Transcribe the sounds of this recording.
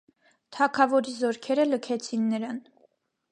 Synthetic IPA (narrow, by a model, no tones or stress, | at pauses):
t̪ʰɑkʰɑvɔɾizɔɾkʰɛɾələkʰɛt͡sʰinːəɾɑn